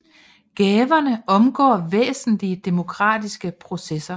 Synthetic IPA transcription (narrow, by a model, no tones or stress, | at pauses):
ɡ̥ɛːʋɐnəʔɒ̽mɡ̥ɒ̰ːʋḛːsn̩liəd̥e̝mo̝kʰʁɑ̰̈ːd̥isɡ̥əpʰʁo̝sesɐ